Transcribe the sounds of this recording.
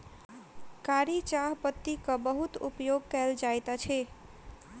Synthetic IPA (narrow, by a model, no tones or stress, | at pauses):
kaɾit͡ʃaɦpət̪ːikəbəɦut̪ṵpjoɡ̚kɛld͡ʒajt̪at͡ʃʰe